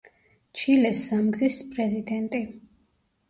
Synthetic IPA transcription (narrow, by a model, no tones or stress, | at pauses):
t͡ʃʰilɛsːamɡzispʼɾɛzid̪ɛnt̪ʼi